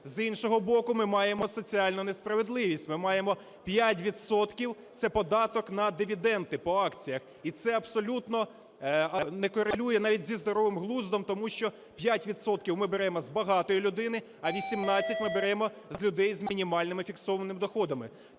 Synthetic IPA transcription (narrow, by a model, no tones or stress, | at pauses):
zinʃɔɦɔbɔkʊmɪmɑjemɔsɔt͡sʲiɑlʲnʊnespɾɐʋed̪lˠɪʋʲisʲtʲmɪmɑjemɔ | pʲjatʲʋʲid̪sɔt̪kʲiwt̪sɛpɔd̪ɑt̪ɔknɐd̪ɪʋʲid̪ɛnt̪ɪpɔɑkt͡sʲijɐx | it̪sɛɐbsɔlʲut̪nɔ | ɐnɛkɔɾɪlʲujɛnɑʋʲit̚ʲzʲizd̪ɔɾɔʋɪmɦlˠuzd̪ɔmt̪ɔmuʃt͡ʃɔ | pʲjatʲʋʲid̪sɔt̪̚kʲiwmɪbeɾɛmɔzbɐɦɑt̪ɔjilʲʊd̪ɪnɪ | ɐʋʲisʲimnɑt͡sʲːɐtʲmɪbeɾɛmɔzlʲʊd̪ɛjzmʲinʲimɑlʲnɪmɪfʲiksɔʋɐnɪmd̪ɔxɔd̪ɐmɪ